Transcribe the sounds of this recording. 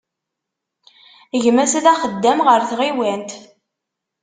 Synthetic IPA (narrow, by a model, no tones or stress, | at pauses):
əʝmæsðæχəd̪ːæmʁəɾθʁiwænt̪